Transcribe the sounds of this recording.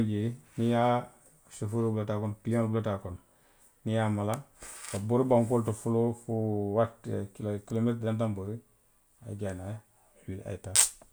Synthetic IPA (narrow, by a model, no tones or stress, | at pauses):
ɟinija | sefuɾobulatakonpilioŋlbulatakon | nijaːmalakabuɾbaŋkultufulofuwatkilkilometdantamboɾi | a̰ɟanaj | wila̰ita